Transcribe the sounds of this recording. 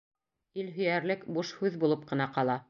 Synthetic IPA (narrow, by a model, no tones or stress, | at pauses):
ilɦɵ̆jæɾlɘkbuʃhʉðbulˠɤp̚qɤ̆nɑqɑlˠɑ